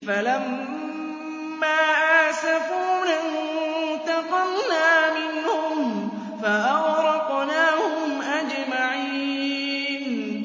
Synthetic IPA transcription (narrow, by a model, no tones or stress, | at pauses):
falam | aːʔasafuːna | t̪ɑqɑnnaːmɪnhʊm | faʔɑwɾɑqnaːhʊmʔad͡ʒmaʕiː | n